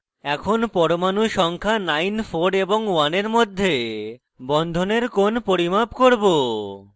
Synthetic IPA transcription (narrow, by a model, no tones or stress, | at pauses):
ɛkʰonpɔɾomanuʃɔŋkʰanajnfʰoɾeboŋwaneɾmod̪ʱːe | bɔnd̪ʱoneɾkonpoɾimabkoɾbo